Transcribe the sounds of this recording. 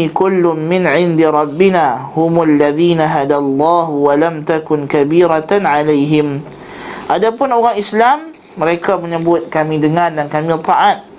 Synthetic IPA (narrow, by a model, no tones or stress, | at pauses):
kʊlːʊmmɪnʕɪnd̪iɾˤɑbːinahʊmʊalːaðiːnaɦadalˤːɑːɦwalamt̪akʊnkabiːɾat̪anʕalajɦɪm | ʔadapʊnoɣaŋislamː | əɾekaməɲəbʊt̪̚kamĩdəŋardankamit̪aʔat̪̚